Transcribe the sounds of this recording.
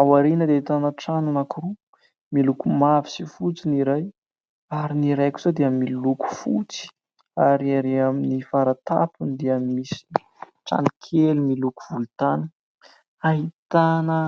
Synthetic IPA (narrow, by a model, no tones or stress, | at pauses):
awaɾinəd̪eait̪anəʈ͡ʂananakuɾu | milukumavi̥sifut͡siniɾaj | aɾiniɾajki̥z̥ad̪eamiluku̥fut͡si̥ | aɾiaɾiaminifaɾat̪a̰pund̪eamimisi̥ | ʈ͡ʂa̰nikʰelimilukuv̥ult̪anə̥ | aɦit̪anə